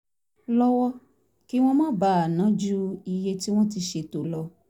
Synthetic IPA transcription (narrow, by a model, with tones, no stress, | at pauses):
lɔ˦wɔ˦ | ki˦w̃ɔ̃˦mã˦ba˦a˨nã˨˦d͡ʒu˦i˧je˦ti˦w̃ɔ̃˦ti˧ʃe˧to˨lɔ˧